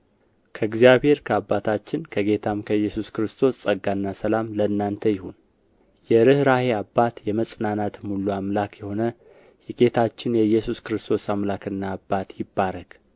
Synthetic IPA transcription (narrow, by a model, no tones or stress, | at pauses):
kʰəɨɡzijaβhe̞ɾkʰəabːat̪ʰat͡ʃːɪnkʰəɡe̞t̪ʰamkʰəjːɛsuskɨɾɨst̪ʰo̞ssʼəɡːanːasəlamləɨnːant̪ʰəjɪhun | jɛɾɨhɾaheabːat̪jɛməsʼnanat̪mulːuamlakjɛho̞nə | jɛɡe̞t̪ʰat͡ʃːɪnjɛjːɛsuskɨɾɨst̪ʰo̞samlakɨnːaːbːat̪jɪbːaɾəɡ̥